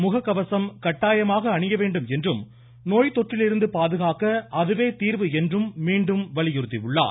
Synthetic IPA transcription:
mʊɣɐkːɐʋɐsɐmkɐʈːaːjɐmaːɣɐːɳɪjɐʋeːɳɖɯmɛndrɯm | noːjt̪ːɔʈrɪlɪɾɯnd̪ɯpaːðɯɣaːkɐɐðɯʋeːt̪iːɾʋɯɛndrɯmːiːɳɖɯmʋɐɭɪjʊɾɯt̪ːɪʋɯɭːa̰ː

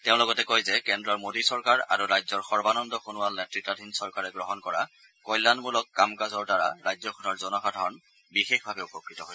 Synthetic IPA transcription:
teʊ̃lɔɡɔtɛkojzɛkɛndɹɔmodisɔɹkaɹa̰ɹuɹajzɔɹxɔɹbanɔndɔxunʊwalnɛtɹitːadʱinsɔɹkaɹɛɡɹɔɦɔnkɔɹa | kɔjlːanmulɔkːamkazɔɹdaɹa̰ɹajzɔxunɔɹzɔnɔxadʱaɹɔn | bixexbʱabɛupɔkɹitɔɦo

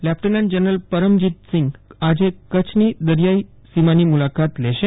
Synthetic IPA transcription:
læp̚ʈənlɛ̃ɳɖd͡ʑənɾəlpəɾəmd͡ʑiːt̪̚siŋɡad͡ʑẽkət͡ɕʰniːd̪əɾjai | simaniːmulakat̪leɕẽ

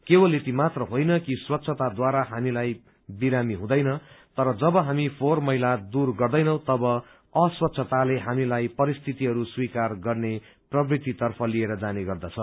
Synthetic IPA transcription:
kewʌlet̪imat̪rʌɦojnʌkiswʌt̪ːsʰʌt̪ad̪waɾaɦamilaj | biɾamiɦũd̪ʌjnʌt̪ʌɾʌd͡zʌbʌɦamipʰormʌɦilad̪urɡʌrd̪ʌjnʌ̃w̃t̪ʌbʌ | ʌswʌt̪ːsʰʌt̪aleɦamilajpʌɾist̪ʰit̪iɦʌɾuswikarɡʌrne | prʌbrit̪it̪ʌrpʰʌlieɾʌd͡zaneɡʌrd̪ʌt͡sʰʌ

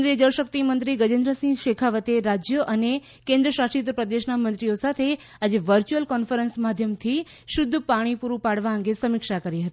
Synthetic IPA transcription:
nɾied͡ʒəɭʃək̚t̪imənt̪ɾiɡəd͡ʒẽnd̪ɾəsĩɡʃekʰaʋət̪eɾad͡ʒjəʔəne | kẽnd̪ɾəʃasʈit̪̬pɾəd̪eʃnamənt̪ɾijosat̪ʰe | ad͡ʒeʋəɾt͡ʃuəlkɔnfəɾənsmad̪ʱjəmt̪ʰiʃʊd̪ʱːpaɽ̃ipuɾupaɽʋaə̃ŋɡesəmɪkʃakəɾiɦət̪i

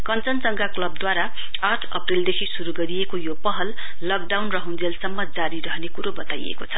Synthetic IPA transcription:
kʌnt͡sʌnt͡sʌŋɡaklʌb̚d̪waɾa | aʈʰʌ̰prild̪ekʰisuɾuɡʌɾijekojopʌɦʌlː | ʌk̚ɖawnrʌɦũnd͡zelsʌmːʌd͡zaɾiɾʌɦnekuɾobʌt̪ajḛkot͡sʰʌ

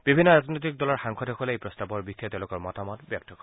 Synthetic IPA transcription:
b̥ibʱinːɔɹaznɔjt̬ik̚dɔlɔɹxaŋkʰɔdɔkɔlejpɹɔstabɔɹbikʰːijatɛʊ̃lʊkɔɹmɔtamɔtbjɔk̚tʰɔkɔ

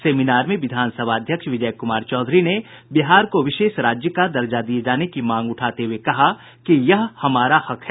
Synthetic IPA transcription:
seːminaːɾmẽʋɪd̪ʱaːnsəbʱaːd̪ʱjəkʃʋɪd͡ʒəjkʊmaːɾt͡ʃɔːd̪ʱɾine | bɪɦaːɾkoʋɪʃeːʃɾaːd͡ʒjəkad̪ɐɾd͡ʒad̪ied͡ʒaːnekimãːŋɡʊʈʰaːt̪eɦuwekɐɦa | kijɐɦhɐmaːɾahɐkɦɛː

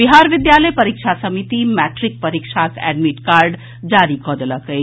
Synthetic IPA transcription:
biɦaɾʋɪd̪jaləjpəɾikt͡ʃʰasəmit̪imɛʈɾik̚pəɾikt͡ʃʰakɛ̰ɖmiʈkaɾɖ | d͡ʒaɾikɔd̪ələkəj

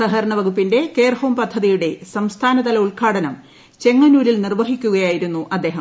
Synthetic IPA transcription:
sɐɦɐɾɐɳɐʋɐɡupːinde̞ke̞ːrhoːmpɐd̪ʱːɐðijuɽe̞sɐmst̪ʰaːnɐd̪ɐlɐuɭkʰaːɽɐnɐm | t͡ɕe̞ŋːɐnuːlilnirʋɐɦikʲːuɣɐjaːjiɾunːuʔɐd̪ːe̞ːɦɐm

